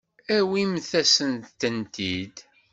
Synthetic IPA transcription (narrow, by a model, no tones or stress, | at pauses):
æwimθæsənt̪t̪ːənt̪id̪